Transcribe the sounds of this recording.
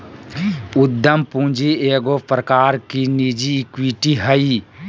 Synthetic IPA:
ʊd̪ːəmpũːd͡ʒieːɡopɾəkaːɾkinid͡ʒiːkwiʈiɦəi

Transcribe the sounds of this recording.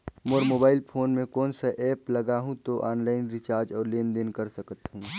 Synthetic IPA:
moːɾmoːbaːɪlpʰoːnmẽkɔːnsaʔɛːplɐɡaːɦũt̪oʔaːnlaːɪnɾɪt͡ʃaːɾd͡ʒɔːɾleːnd̪enkəɾsəkət̪ɦũː

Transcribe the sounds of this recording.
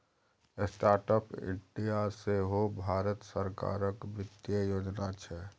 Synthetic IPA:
sʈaːɾʈəpɪ̰ʈijaseɦobʱaːɾət̪səɾka̰ːɾəkbɪd̪jəjoːd͡ʒnat͡ʃʰɛ

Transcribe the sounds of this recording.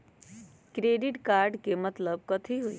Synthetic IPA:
kɾeːɖɪʈkaːɾɖkemət̪ləb̚kɐt̪ʰiɦoḭ

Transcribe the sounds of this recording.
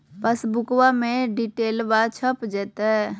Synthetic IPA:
pəsbʊkwamẽɖiʈeːlbat͡ʃʰəpd͡ʒɛːt̪aɦɛ

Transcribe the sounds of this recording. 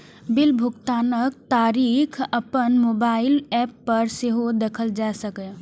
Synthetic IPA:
bɪlbʱʊkt̪aːnək̚t̪aɾikʰəpənmobaɪlɛpːəɾseɦod̪ekʰəld͡ʒasəkɛ

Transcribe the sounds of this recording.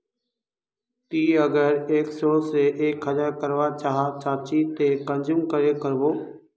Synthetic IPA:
t̪iːəɡəɾeːksoːseʔeːkʰːəd͡ʒəɾkəɾʋat͡ʃaɦat͡ʃaːt͡ʃit̪ekə̃nd͡ʒuːmkəɾekəɾboː

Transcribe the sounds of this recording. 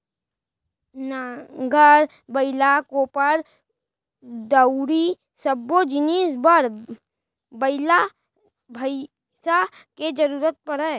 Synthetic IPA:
nɡʱəɾ | bəɪlakõpəɾ | d̪əʊɾi | səbod͡ʒɪniːsbəɾ | bəɪla | bʱəɪ | sa | ked͡ʒəɾuːɾət̪̚pəɾɛː

